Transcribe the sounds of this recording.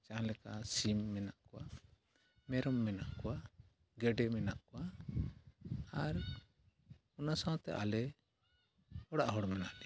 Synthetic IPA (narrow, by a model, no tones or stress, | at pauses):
t͡ʃãlɛkasimːɛnaʔkɔwa̰ | mɛɾɔmːɛnaʔkɔwa | ɡɛɖɛmɛnaʔkɔwa | aɾ | ɔnasãwt̪ɛ̰ʔa̰lɛ | ɔɽaʔɦɔɽmɛnaʔ